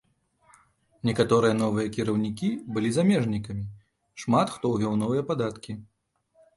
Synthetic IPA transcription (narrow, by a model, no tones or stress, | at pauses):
nʲɛkat̪ɔɾɨjɐnɔvɨjɐkʲiɾɐwnʲikʲibɨlʲizamʲɛʐnʲikɐmʲi | ʂmat̪xt̪ɔwɣʲɛwnɔvɨjɐpad̪at̪kʲi